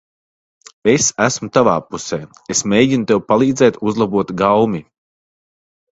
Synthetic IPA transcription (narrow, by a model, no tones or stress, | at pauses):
esæsmut̪avaːpusɛː | esmʲeːjɟʲinut̪ewpalˠiːd̪zɛːt̪uzlˠabuɔt̪ɡawmi